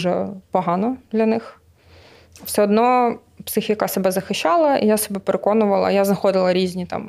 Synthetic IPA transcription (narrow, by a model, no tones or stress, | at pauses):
ʒɛ̰pɔɦɑnɔd̪̥lʲɐnɪx | w̥sʲɛɔd̪nɔ | psɪxijɐkasɛbɛzɐxɪʃːɑlˠɐḭjasɛbɛpeɾekɔnʊʋɐlˠɐ̰jaznɐxɔd̪ɪlˠɐɾʲizʲnʲit̪ɑ̰m